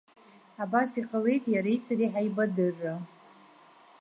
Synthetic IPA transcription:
abasiqʼale̞jtʼjaɾajsaɾiħaibadɨrːa

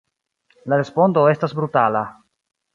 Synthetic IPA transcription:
laɾe̞spo̞ndo̞e̞stasbɾutala

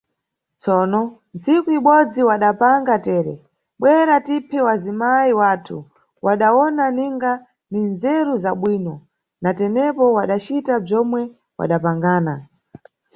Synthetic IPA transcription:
t͡sɔːnɔ | nt͡sikuiɓɔd͡ziwaɗapaŋɡatɛːɾɛ̰ | ɓwɛɾatipʰɛwazimaiwaːtʰu | wʔaɗawɔnaniŋɡa | ninzɛɾuzaɓwiːnɔ | natɛnɛpɔwaɗat͡ʃitab͡ʐɔmwɛ | wa̰ɗapaŋɡaːna

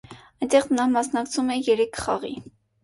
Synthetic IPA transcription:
ɑjnt̪ɛχnɑmɑsnɑkt͡sʰumɛjɛɾɛkʰχɑ̰ʁḭ

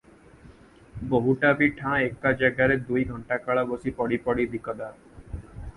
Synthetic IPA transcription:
boɦuʈabiʈʰãek̚ːad͡ʑaɡaɾed̪ujɡʱɔɳʈakaɭabosipɔɽipɔɽid̪ikɔd̪a

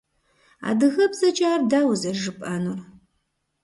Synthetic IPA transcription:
a̰ːdɨɣɐbzɐt͡ʃʼaːrdaːwzɐʒɨpʼʔaːnur

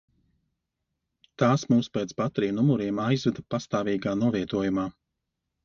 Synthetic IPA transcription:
t̪aːsmuːspɛːt̪spat̪ɾiːmnumuɾiɛmajzvɛd̪apast̪aːviːɡaːnuɔviɛt̪uɔjumaː

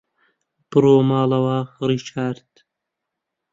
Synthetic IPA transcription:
b̥ɨɾoːmaːlɐwaɾit͡ʃʰaːɾt̪

